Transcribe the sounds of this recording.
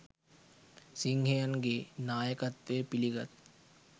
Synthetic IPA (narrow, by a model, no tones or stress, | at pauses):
siŋɡʱejənɡenaːjəkɐt̪ʋeːpiliɡɐt̪̚